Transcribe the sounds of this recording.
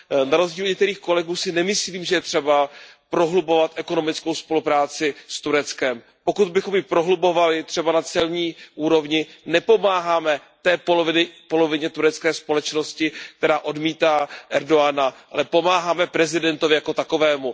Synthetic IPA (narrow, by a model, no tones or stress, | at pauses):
naɾo̞zɟiːluɲɛkt̪ɛɾiːxko̞lɛɡuːsɪnɛmɪsliːmʒɛjɛt̪r̝̥ɛba | pɾo̞ɦlubo̞vat̪ʔɛko̞no̞mɪt͡skowspo̞lupɾaːt͡sɪst̪uɾɛt͡skɛm | po̞kud̪bɪxo̞mjɪpɾoɦlubo̞valɪt̪r̝̥ɛbanat͡sɛlɲiːʔuːɾo̞vɲɪnɛpo̞maːɦaːmɛ | t̪ɛːpolovɪnɪpo̞lo̞vɪɲɛt̪uɾɛt͡skɛːspo̞lɛt͡ʃno̞scɪk̚t̪ɛɾaːʔo̞dmiːt̪aːʔɛɾdo̞anaʔa̰lɛpo̞maːɦaːmɛpɾɛzɪdɛnt̪ovɪjako̞t̪ako̞vɛːmu